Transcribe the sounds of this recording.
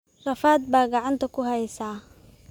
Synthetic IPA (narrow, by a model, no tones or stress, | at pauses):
rɐfaːd̪̚baːɡɑʕɑnt̪ʰɐkʰʊhɐjsaː